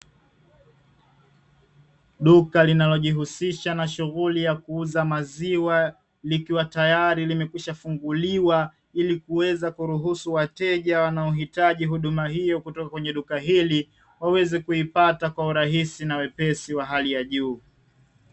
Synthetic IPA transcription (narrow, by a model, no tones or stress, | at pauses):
ɗukalinalɔʄiɦusiʃanaʃuɣulijakuuzamaziwa | likiwatajaɾilimɛkwiʃafuŋɡuliwa | ilikuwɛzakuɾuɦusuwatɛʄawanaɔɦitaʄiɦuɗumaɦijɔkutɔkakwɛɲɛɗukaɦili | wawɛzɛkuipatakwauɾaɦisinawɛpɛsiwaɦalijaʄuː